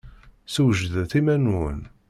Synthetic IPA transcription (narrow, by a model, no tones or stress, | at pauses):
səwʒðθimænən